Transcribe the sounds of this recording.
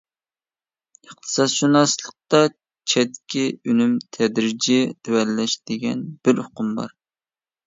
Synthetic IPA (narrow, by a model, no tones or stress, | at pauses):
əχ̚t̪ʰɨ̥sɑsʃunɑslˠəq̚t̪ɑ | t͡ʃʰɛt̪kʲiynymt̪ʰɛd̪ɾɪd͡ʒɪt̪ʰewɛlːɛʃd̪̥ɪɡʲɛnb̥ɪɾhʊqʊmbɑ̰ɾ